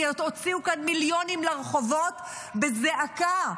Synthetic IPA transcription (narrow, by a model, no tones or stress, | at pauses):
otot͡siukanmiljo̞nimleʁeχovo̞t | bezeʔaka